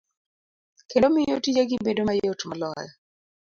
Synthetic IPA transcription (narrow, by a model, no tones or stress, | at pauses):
kendomijotid͡ʒaɡibedomajotmalɔjɛ